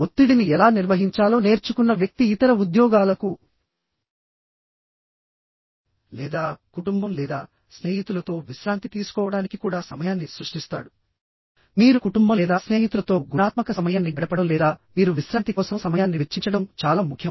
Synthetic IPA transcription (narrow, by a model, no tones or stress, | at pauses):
ot̪ːiɽiniɛlaːniɾʋɐɦiɲt͡ʃaːlo̞ːne̞ːɾt͡ʃukunːɐʋjɐk̚t̪iːt̪ɐɾɐud̪jɔːɡaːlɐku | lɛ̰ːd̪aːkuʈumbɐmlɛːd̪aː | sne̞ːɦit̪ulɐt̪o̞ːʋiʃɾaːnt̪it̪iːsu̥kɔːʋɐɽaːnikikuːɽaːsɐmɐjaːnːisɾuʂʈist̪a̰ːɽu | miːɾukuʈumbɐɛːd̪aːsne̞ːɦit̪ulɐt̪o̞ːɡunaːt̪mɐkɐsɐmɐjaːnːibɛɽɐpɐɽɐmlɛːd̪aːmiːɾuʋiʃɾaːnt̪ikɔːsɐmsɐmɐjaːnːiʋet͡ʃːiɲt͡ʃɐɽɐmt͡ʃaːlaːmukʰjɐ